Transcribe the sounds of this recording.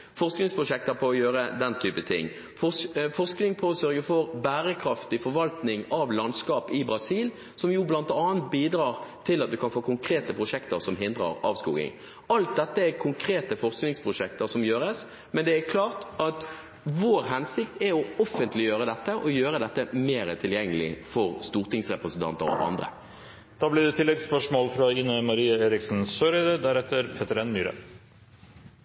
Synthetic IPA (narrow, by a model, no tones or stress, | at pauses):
fɔʁsknɪŋspʰɾʊʂɛk̚t̪əɾpʰɔːjøːɾəd̪ɛnt̪ʰyːpət̪ʰɪ̰ŋː | fɔfɔʁsknɪŋpʰɔːsœɾɡəfɔɾbæːɾəkʰɾɑft̪ɪfɔɾʋɑlt̪nɪŋɑʋlɑnskɑːpɪbɾɑsiːl | sɔmjuːblɑnt̪ɑːənt̪̚biːd̪ɾɑːʁt̪ʰɪlɑt̪̚d̪ʉkʰɑnfoːkʰʊŋkʰɾeːt̪əpʰɾʊʂɛkt̪əɾsɔmɦɪnd̪ʁə̰ʁɑ̰ːʋskṵːɡɪ̰ŋ | ɑlt̪̚d̪ɛt̪ːəækʰʊŋkʰɾeːt̪əfɔʁsknɪŋspʰɾʊʂɛk̚t̪əɾsɔmjøːɾəs | mɛnd̪ɛæɾkʰlɑːʁt̪ɑt̪ | ʋoːɾɦɛnsɪk̚t̪æɔɔfːənt̪lɪjøːɾəd̪ɛt̪ːəʔɔjøːɾəd̪ɛt̪ːəmeːɾət̪ʰɪljɛŋːəlɪ̰fɔʁst̪uːʁt̪ɪŋsʁɛpʁəsənt̪ɑ̰nt̪ə̰ʁɔ̰ʔɑ̰nd̪ʁə̰ | d̪̥ɑːblɪd̪ɛt̪ʰɪlːɛɡspœʂmoːlfɾɑɪnəmɑɾiːəeːɾɪksn̩søːɾɛːd̪əd̪æɾɛt̪ːəɾpʰɛt̪əɾɛnmyːɾə̰